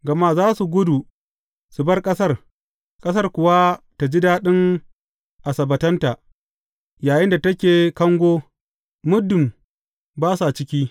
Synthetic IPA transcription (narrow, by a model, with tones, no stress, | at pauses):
ɡɐ˨ma˦zaː˦su˨ɡʷʊ˦du˨ | su˨bɐ˦rkʼɐ˦sɐ˦r | kʼɐ˦sɐ˦rkʷʊ˨wa˦ta˨d͡ʒi˦daː˦ɗɪ˦ŋ | ʔa˨sɐ˨bɐ˨tɐ˦nta˨ʔ | jaː˨jɪ˦nda˨tɐ˦kʲeː˨kɐ˦ŋɡʷoː˦ | mʊ˦dʊ˨m | baː˦sa˨t͡ʃɪ˦kʲiː˦